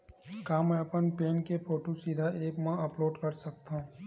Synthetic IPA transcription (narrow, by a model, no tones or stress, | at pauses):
kaːmɛ̃ɐpənpeːnkepʰoːʈosid̪ʱaeːkmãɐploːɖkɐɾsɐk̚t̪aɦũː